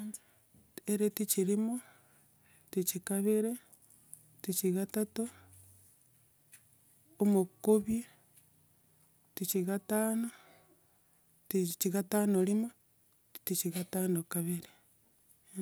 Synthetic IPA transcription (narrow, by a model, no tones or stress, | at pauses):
eɾetit͡ʃiɾimo | tit͡ʃikaβeɾe | tit͡ʃiɣatato | mokoβje | tit͡ʃiɣataːno | tit͡ʃiɣataːnolimo | tit͡ʃiɣatanokaβiɾe